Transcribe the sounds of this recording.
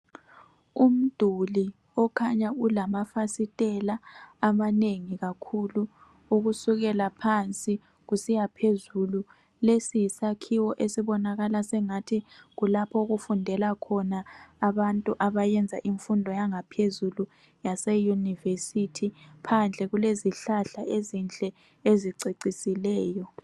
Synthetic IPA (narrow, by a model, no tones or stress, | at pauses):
um̩d̥ʱuli | ɔkʰaɲaulamafasitʼɛlaːmaneŋiɣakʰulu | uɣusuɣɛlapʰant͡sʼi | ɣusijapʰezulu | lesijisakʰiwɔʔesiβɔnaɣalasɛŋatʰiɣulapʰɔɣufundʱɛlakʰɔnaːβantʼuʔaβajɛnd͡zʱaʔiɱfundʱɔjaŋapʰezulu | jasɛjunivesitʰipʰand͡ɮʱɛɣuleziɬaɬaʔezind͡ɮʱʼɛ | eziǀiǀisilɛːjɔ